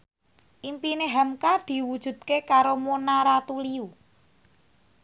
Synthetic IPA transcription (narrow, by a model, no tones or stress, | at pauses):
ʔimpineɦamkad̪̥i̤wud̥ʒ̥ṳd̪̥̚kekaɾomonaɾat̪uliu